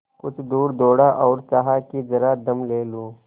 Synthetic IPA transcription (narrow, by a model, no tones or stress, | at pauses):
kʊt͡ʃʰd̪uːɾd̪oːɽaːʔɔːɾt͡ʃaɦaːkizɐɾaːd̪ɐmleːluː